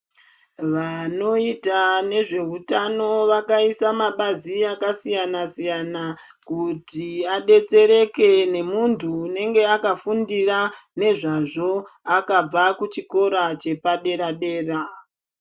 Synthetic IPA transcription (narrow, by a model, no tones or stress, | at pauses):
ʋano̞itane̞ʐe̞ɦutano̞ʋakaisamaɓaziakasijanasijana | kutiaɗe̞t͡se̞ɾe̞ke̞ne̞muntʰuːne̞ŋɡe̞akafundirane̞ʐaʐo̞akab͡vakut͡ʃiko̞ɾat͡ʃe̞paɗe̞ɾaɗe̞ːra